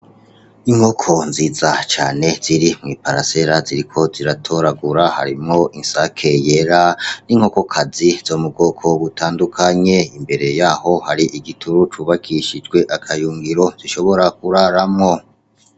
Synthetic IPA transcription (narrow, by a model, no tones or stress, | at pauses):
iŋ̥ho̞kʰo̞nziːzat͡ʃaːne̞z̥iɾimŋiːpaɾa̰se̞ɾaziɾikʰo̞ziɾatʰo̞ɾaɡuɾaha̰ɾimŋo̞ʔinsakʰe̞je̞ɾaniŋ̥o̞ko̞kʰaziz̥o̞muɡo̞kʰo̞βutʰaːndukʰaɲe̞imbe̞ɾe̞jaːho̞haɾiʔiɡitʰuɾut͡ʃuβakʰiʃid͡ʒɡwe̞ʔakʰajuːŋɡiɾo̞ziʃo̞βo̞ɾak̚uɾaɾamŋo̞